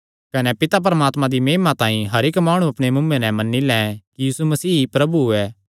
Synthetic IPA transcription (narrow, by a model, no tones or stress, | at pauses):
kɐnɛpɪt̪ap̬ɾɐmaːt̪mãd̪imeːmat̪ãːĩɦɐɾɪkmaːɽ̃uɐpɽ̃emʊ̃mːenɛ̃mɐnːilɛ̃kijiːsumɐsiːpɾɐbuɛː